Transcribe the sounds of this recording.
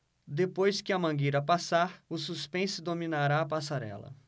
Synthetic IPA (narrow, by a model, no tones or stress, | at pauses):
d̪epojskɪɐmɐ̃ɡiɾɐpasaɾʊsuspẽsʊd̪omĩnaɾaːpasaɾɛ̰lɐ̰